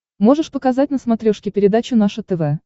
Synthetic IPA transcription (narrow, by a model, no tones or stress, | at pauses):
mo̞ʐɨʂpəkɐzat̚ʲnəsmɐt̪ɾʲoʂkʲɪpʲɪɾʲɪd̪at͡ɕʊnaʂʊt̪ɛvɛ